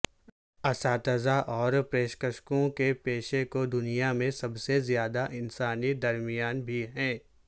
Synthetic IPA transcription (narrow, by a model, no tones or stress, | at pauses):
ɐsaːt̪əzaʔɔːɾpɾeːʃkəʃkõkepeːʃekod̪ʊnijamẽsɐbsezjaːd̪aʔɪnsaːnid̪ɐɾmɪjaːnbʱiɦɛ̃ː